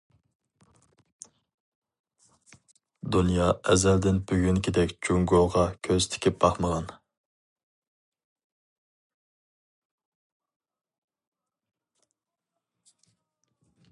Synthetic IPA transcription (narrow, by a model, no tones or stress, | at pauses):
d̪unjɑɛzɛld̪ɪnbyɡʲyŋkʲʰɪd̪ɛkʲd͡ʒuŋɡoʁɑkʲʰøzt̪ʰɪ̥kʲʰɪp̚bɑχməʁɑn